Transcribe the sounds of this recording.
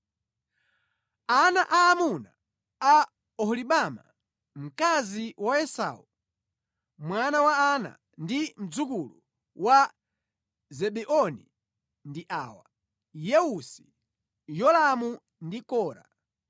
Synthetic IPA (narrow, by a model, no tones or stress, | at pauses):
anaʔaːmuna | a | ɔhliɓama̰ | m̩kaziwaɛsa̰u | mwanawaana̰ | ndim̩d͡zukulu | wa | zɛɓɛʔɔni | ndiʔaːwa | jɛusi̥ | jɔlamu | ndikɔːɾa̰